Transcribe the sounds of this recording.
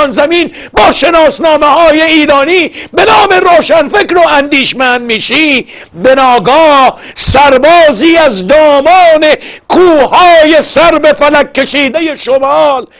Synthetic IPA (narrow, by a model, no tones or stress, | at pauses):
nzæmiːn | bɒːʃe̞nɒːsnɒːmehɒːjeiːɾɒːniːbe̞nɒːme̞ɾoːʃænfekɾoænd̪iːʃmænd̪̚miːʃiː | benɒːɡɒːh | sæɾbɒːziːæzd̪ɒːmɒːne̞kʰuːhɒːje̞sæɾbefælæk̚ʰːe̞ʃiːd̪eje̞ʃomɑːl